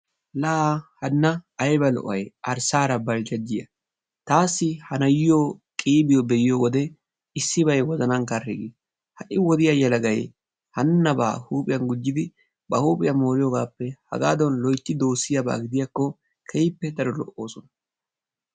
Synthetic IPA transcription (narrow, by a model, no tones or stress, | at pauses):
laːhɐnːɐɐjbɐlɔ̰ʔɐjʔɐɾsaːɾɐbɐld͡ʒɐd͡ʒːɪjɐ | t̪aːsːɪhɐnɐjɪjoːkʼiːbɪjɔbɛjɪjoːwɔd̪ɛ | ɪsːɪbɐjwɔzɐnɐnkɐrɪɡi | hɐʔɪwɔd̪ɪjɐjɛlɐɡɐj | hɐnːɐba̰ːhuːpʼɪjɐnɡʊd͡ʒːɪd̪ɪ | bɐhuːpʼɪjɐmo̞ːɾɪjoːɡaːpːɛhɐ̰ɡaːd̪ɔnlɔjt̪ːɪd̪o̞ːsːɪjɐba̰ːɡɪd̪ɪjakːɔ | kʰɛjpːɛd̪ɐɾɔlɔ̰ʔːo̞ːsɔnɐ